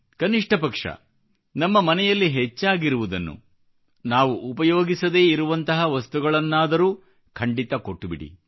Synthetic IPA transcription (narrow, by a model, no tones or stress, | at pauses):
kɐniʂʈʰɐpɐkʂɐ̰ | nɐmːɐmɐnɛjɐlːiɦet͡ʃːaːɡiɾuʋud̪ɐnːṵ | naːʋuʔːpɐjoːɡisɐd̪e̞ːiɾuʋɐnt̪ɐɦɐʋɐst̪uɡɐɭɐnːaːd̪ɐɾuː | kʰɐɳɖit̪ɐko̞ʈːubiɽḭ